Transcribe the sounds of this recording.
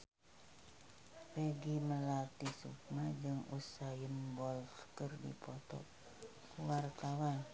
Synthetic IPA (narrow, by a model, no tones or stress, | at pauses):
bəɡiməlat̪isṵk̚mad͡ʒəŋusajənbɔlfkərdḭpɔt̪ɔ̰ʔ | wart̪awa